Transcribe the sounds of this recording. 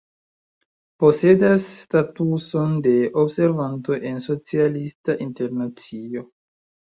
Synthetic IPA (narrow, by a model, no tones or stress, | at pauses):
po̞se̞dasːtatusonde̞ʔobse̞ɾvanto̞ʔe̞nso̞t͡sialistaʔinte̞ɾnat͡sio̞